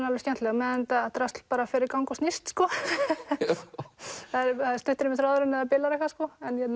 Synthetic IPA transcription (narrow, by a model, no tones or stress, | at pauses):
nalvɾscɛnt̪lɛɣamɛðɪnt̪at̪ɾast̪l̥paːɾafɪɾɪɾkawŋkɔsnɪst̪skɔ | θaðɾθaðɪɾst̪ʏht̪ɪɾɪmɪθɾaðʏɾʏnːɛðapɪlaɾɛhkvaskɔɛnjɛ